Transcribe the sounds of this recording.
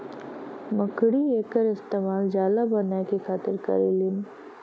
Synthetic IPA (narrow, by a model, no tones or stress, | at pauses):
məkɽieːkəɾɪst̪eːmaːld͡ʒjaːlabɐnakixaːt̪ɪɾkɐ̰ɾilin